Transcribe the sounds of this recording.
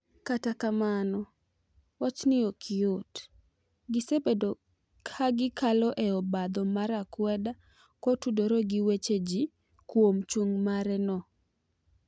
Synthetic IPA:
katakamanɔ | wat͡ʃnɪɔkʰɪot | ɡɪsebedo | kʰaɡɪkʰalɔʔeɔbad̪ɔmaɾakwɛda | kɔtudɔɾɔɡɪwet͡ʃed͡ʒi | kwomt͡ʃuŋmaɾɛnɔ

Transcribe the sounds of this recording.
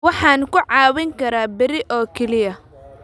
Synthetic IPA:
wɑħɑːnkʰʊʕɑːwɪŋkʰɐɾaːbɪɾɪʔɔːkʰɛlɪjɐ

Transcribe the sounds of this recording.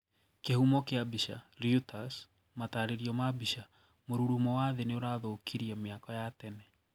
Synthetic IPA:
kehumɔkeabiʃa̰ɾiutas | mataɾeɾiɔmabiʃa | moɾuɾumɔwaːðeneoɾaðokʰiɾiɛmeakɔjatɛnɛ

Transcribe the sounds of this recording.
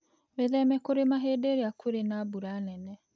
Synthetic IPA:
βeðɛmɛkoɾemaɦedeɾeakweɾenabuɾanɛnɛ

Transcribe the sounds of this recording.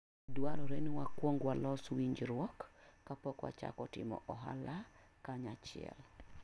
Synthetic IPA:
dwaɾɔɾenwakwoŋɡwalɔswiɲd͡ʒɾwɔkː | apɔkwa̰t͡ʃa̰kɔtɪmɔ̰ʔɔɦa̰la | kaɲat͡ʃɪɛ̰l

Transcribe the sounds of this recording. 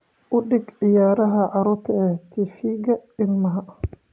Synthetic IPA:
ʔʊɗɪɡʕɪjaːɾɐɦɐʕɑɾʊt̪ʰɛɛt̪ʰifiːɡɐɪnmɐɦɐ

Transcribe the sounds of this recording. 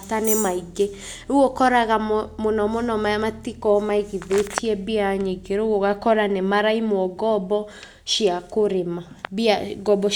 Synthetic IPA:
tanemaiɡe | oɣokɔɾaɣammonɔmonɔmajamatikɔmaeɣiðetʰiɛbiaɲeɡeɾoɣoɣakɔɾanemaɾaimwɔɡɔbɔ | ʃiakoɾemabiaɡɔbɔ

